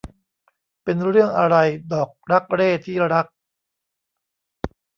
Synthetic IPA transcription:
pe˧nɾɯ˥˩əŋʔa˧ɾa˧jdɔː˨˩k̚ɾa˦˥k̚ɾeː˥˩t̪ʰːiː˥˩ɾa˦˥k̚

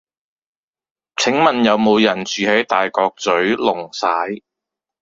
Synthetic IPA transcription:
t͡sʰɪ˨˥ŋmɐ˨njɐ˨˧wmo˨˧wjɐ˨˩nt͡syː˨˧he˨˥jt̪aː˨jkɔː˧k̚t͡sɵ˨˥ɥlʊ˨˩ŋsaː˨˥j

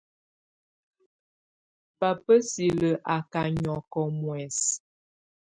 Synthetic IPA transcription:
pa˨pə˦si˨lə˨ʔa˨ka˨ɲɔ˨kɔ˨mwɛ˨s

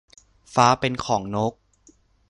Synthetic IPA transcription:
faː˦˥pe˧nkʰɔː˩˦ŋno˦˥k̚

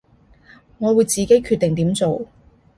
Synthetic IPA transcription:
ŋɔː˨˧wuː˨˧jt͡siː˨ke˨˥jkʰy˧t̪̚ːɪ˨ŋt̪iː˨˥mt͡so˨w

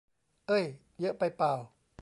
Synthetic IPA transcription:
ʔɤː˧˥˩j | jɯ˦˥ʔpa˧jpaː˧˩w

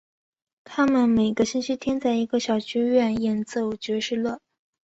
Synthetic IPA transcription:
t̪ʰa˥mə˨nme˨˩ɪɡə˧˦ɕi˥nɕi˥t̪ʰjɛ˥nt͡sa˥˩ɪi˧˥ɡə˧ɕjɑ˨˩ʊt͡ɕʰy˥ɥɛ˥˩njɛ˥˩nt͡so˥˩ʊt͡ɕɥɛ˧˥ʂɻ̩˥˧lwə˥˩

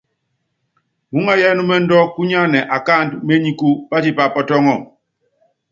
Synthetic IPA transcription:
mu˨˦ŋa˦jɛ˦nu˦mɛ˦n̩˦dɔ˦ku˦ɲa˦nɛ˨ʔa˨ka˦˨ndme˦ɲi˦ku˦pa˦ti˦pa˦˨pɔ˦tɔ˦ŋɔ˦˨

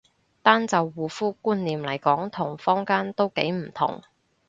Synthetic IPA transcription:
t̪aː˥nt͡sɐ˨wːuː˨fuː˥kuː˥nliː˨mlɐ˨˩jkɔː˨˥ŋt̪ʰʊ˨˩ŋfɔː˥ŋkaː˥nt̪o˥wke˨˥jm̩˨˩t̪ʰʊ̰˨˩ŋ

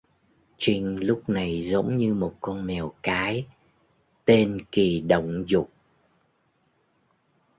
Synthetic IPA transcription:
t͡ɕï˧ŋ̟lʊ˦˥k͡p̚na˨˩jzə˨˦wŋ͡mɲɨ˧mo˨˩t̚kɔ˧nmɛ˨˩wkaː˨˦j | t̪e˧nki˨˩ɗə̰˧˨wŋ͡mzʊ˨˩k͡p̚

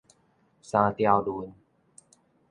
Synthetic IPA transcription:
saː˧t̪i˧a˧wduː˧n

